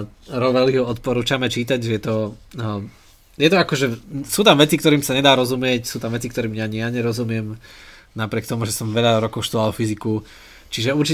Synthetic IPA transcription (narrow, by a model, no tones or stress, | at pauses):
ɾɔʋɛliɦɔɔt̪pɔɾuːt͡ʃamɛt͡ʃiːt̪aɟʒɛjɛt̪ɔ | jɛt̪ɔakɔʒɛsuːt̪amʋɛt͡sikt̪ɔɾiːmsaɲɛd̪aːɾɔzumɪɛcsuːt̪amʋɛt͡sikt̪ɔɾiːmjaɲɪaɲɛɾɔzumɪɛm | napɾʲɪɛkt̪ɔmuʒɛsɔmʋɛʎaɾɔkɔʊʃt̪ualfiziku | t͡ʃiʒɛuɾt͡ʃi